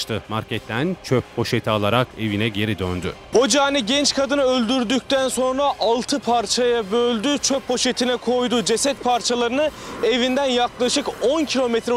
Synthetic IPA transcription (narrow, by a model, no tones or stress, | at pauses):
t̪ɯmaɾcɛt̪ʰːænt͡ʃʰøpho̞ʃet̪ʰialˠaɾake̞vinɛɟe̞ɾid̪ønd̪y̰ho̞d͡ʒaːniɟɛnt͡ʃkʰad̪ɯnɯølʲd̪yɾd̪yc̚t̪ʰænso̞nɾaʔalˠt̪ʰɯpʰaɾt͡ʃʰajabølʲd̪yt͡ʃʰøpːo̞ʃe̞t̪ʰinɛkʰo̞jd̪ud͡ʒe̞sɛt̪̚pʰaɾt͡ʃʰalˠaɾɯnɯe̞vind̪ænjaklˠaʃɯko̞ncʰilʲo̞met̪ɾɛ